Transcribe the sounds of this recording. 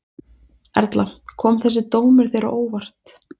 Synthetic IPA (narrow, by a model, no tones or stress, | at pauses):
ɛɾt̪lakʰɔːmθɛs̬ːɪt̪oːwmɪɾ̥θejɾa̰ʔoːwvar̥t̪